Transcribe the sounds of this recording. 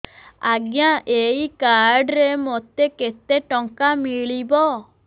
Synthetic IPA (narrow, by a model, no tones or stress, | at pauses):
aɡjaʔeikaɾɖɾemot̪eket̪eʈɔŋkamiɭibɔ